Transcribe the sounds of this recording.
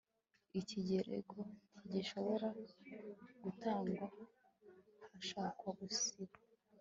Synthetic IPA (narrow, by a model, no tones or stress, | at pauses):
iciɟeɾe̞̰ɡo̞tiɟiʃo̞βo̞ɾa | ɡ̥utaːŋɡwa | haʃaːkwaɡusiβa